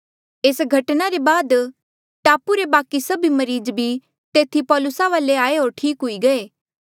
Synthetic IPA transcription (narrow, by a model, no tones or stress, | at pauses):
eːsɡʱɐʈnaɾebaːd̪ | ʈaːpuɾebaːkisɐbʱimɐɾiːd͡ʒbʱi | t̪eːt̪ʰipɔːlʊsaʋaːleaːeɦoːɾʈʰiːkɦʊiɡɐeː